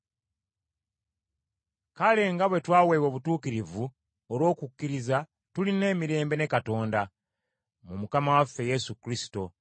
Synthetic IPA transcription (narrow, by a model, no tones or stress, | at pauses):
kale̞ŋɡaβwe̞twaːweːwoβutuːkiɾivu | olwo̞ːkukːiɾiza | tuline̞ːmiɾe̞ːmbe̞ne̞kato̞ːnda | mumukamawafːe̞je̞sukɾisi̥to̞